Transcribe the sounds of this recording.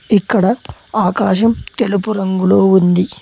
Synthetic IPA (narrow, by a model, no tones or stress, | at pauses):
ikːɐɽɐaːkaːʃɐmt̪e̞lupuɾɐŋɡulo̞ːund̪i